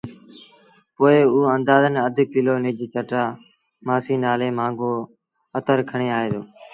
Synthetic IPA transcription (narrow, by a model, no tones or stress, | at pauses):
poːɪuːə̃nd̪aːzənəd̪ʱkɪloːnɪd͡ʑt͡ʃəʈaː | maːsiːnaːleːmãːŋɡoː | ət̪əɾkʰəɳ̃eːaːɦeːt̪oː